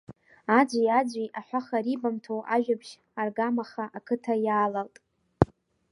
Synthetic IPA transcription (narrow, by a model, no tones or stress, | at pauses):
ad͡ʒʷiad͡ʒʷiʔaħʷaχaɾibamtʰowʔaʒᶣabʃ | arɡamaχaʔakʰɨtʰajaːlaltʼ